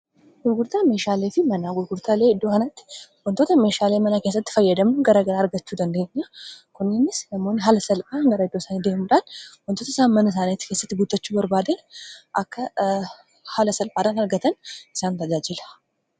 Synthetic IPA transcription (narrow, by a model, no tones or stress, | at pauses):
ɡʊɾɡʊɾt̪ʰameːʃaːlefimɐnaɡʊɾɡʊɾt̪ʰaleɪd̪ːohɐnɐt̪ːwɔnt̪ʰoːt̪ɐmeʃalemɐnakesɐt̪ːɪ̥fɐjːɛd̪ɐmɡɐɾɐɡɐɾaːɾɡɐt͡ʃːud̪ɐnd̪eɲːakʰʊnːɪnːɪslɐmːonɦalɐsɐlpʼaɡɐɾɐɪd̪ːosaned̪ehmuᶑ̪anwɔnt̪ʰot̪ɪsanmːɐnɐs̬anet̪kesːɐt̪ːɡut̪ʼːɐt͡ʃːubɐɾbaːd̪ɐnʔɐkːɐ | halɐsɐlpʼad̪anɐɾɡɐt̪ʰɐnɪsant̪ʰɐd͡ʒad͡ʒɪl